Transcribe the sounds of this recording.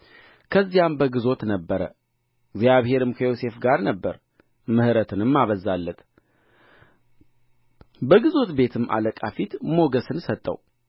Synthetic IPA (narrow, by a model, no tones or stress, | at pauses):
kʰəzːijambəɡɨzo̞t̪nəbːəɾə̰ | ɡzjaβhe̞ɾɨmkʰəjo̞se̞fɡaɾnəbːəɾ | mɨhɾət̪ʰɨnɨmːaβəzalːət̪ | bəɡɨzo̞t̪be̞t̪ʰɨmːʔa̰ləkʼafit̪mo̞ɡəsɨnsət̪ʼːə̰w